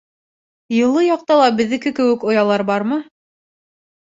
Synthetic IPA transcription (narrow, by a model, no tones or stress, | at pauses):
jɤ̆lˠːɤjɑq̚t̪ɑlˠɑbɘ̆ðɘ̆kɘkɘ̆wɘkŏjɑlˠɑɾbɑɾmɤ